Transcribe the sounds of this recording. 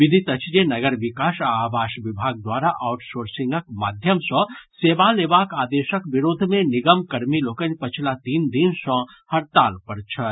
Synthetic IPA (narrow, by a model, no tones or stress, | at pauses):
ʋid̪ʱit̪ət͡ʃʰd͡ʒenɐɡəɾʋikaːʃaaʋaːʃʋibʱaɡ̚d̪waːɾaʔaʊʈsoːɾsĩŋɡəkma̰ːd̪ʱjəmsə̃seːbalebakaːd̪eʃəkbiɾoːd̪ʱmeniɡəmkɐɾmilokənpət͡ʃʰlat̪iːnd̪insə̃ | hɐɾt̪aːlpəɾt͡ʃʰət̪